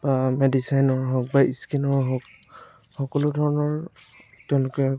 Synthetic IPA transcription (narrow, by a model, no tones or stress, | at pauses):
b̥amɛdisajnɔɹɦɔk̚baʔiskinɔɹɦɔk̚ | xɔkɔlʊdʱɔɹɔnɔɹtɛʊ̃lʊkɛ